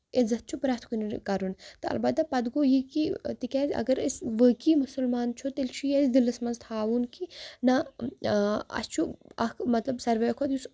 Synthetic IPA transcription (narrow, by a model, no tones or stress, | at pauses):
ezɐt̪̚t͡ʃʰupɾaːt̪ʰkuniɾkɐɾunt̪ɨɐ̰lbɐd̪apɐd̪ɡoːjikit̪ikʲaːzʲɐ̰ɡɐɾesʋəːkimusɐlmaːnt͡ʃʰut̪elt͡ʃʰujezd̪ilɐsmɐnzt̪ʰaːʋunkinɐ | ɐ̰st͡ʃʰuɐkmɐt̪lɐbsɐɾʋɐjkʰoːt̪jus